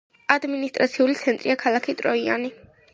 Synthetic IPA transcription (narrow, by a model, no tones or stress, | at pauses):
ad̪minist̪ʼɾat̪sʰiulit̪sʰɛnt̪ʼɾiakʰalˠakʰit̪ʼɾɔia̰ni